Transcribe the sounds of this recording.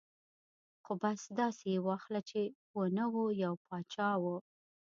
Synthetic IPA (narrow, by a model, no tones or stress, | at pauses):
xobasd̪ɑsejwɑxlat͡ʃewənəwojawpʰɑt͡ʃɑwə